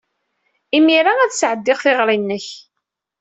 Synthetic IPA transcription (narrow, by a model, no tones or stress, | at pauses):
imiɾaæðsʕəd̪ːɪʁθɪʁɾinːəç